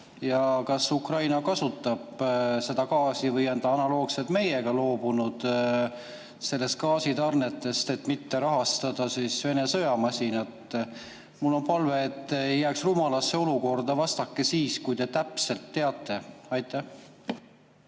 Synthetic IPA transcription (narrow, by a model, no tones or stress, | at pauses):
jɑkɑsukrɑjnɑkɑsut̪ˑːɑb̥se̞d̪̥ɑkɑːsivɤjɑnd̪ɑɑnɑlo̞ːɡ̥set̪me̞je̞ɡ̥ɑlo̞ːbunud̪̥ | se̞lːe̞st̪̚kɑːsit̪ɑrne̞t̪ːˑe̞st̪e̞t̪mit̪ːe̞ɾɑɦɑst̪ɑd̪ɑsisve̞ne̞sɤ̞jɑmɑsʲinɑt̪ːˑ | mulːo̞npɑlve̞ːt̪ːejːæːksrumɑlɑsːe̞o̞luko̞rd̪ɑvɑst̪ɑkːe̞siːskujd̪e̞t̪æpse̞lt̪ːe̞ɑt̪ːˑe̞ɑjt̪ːˑæh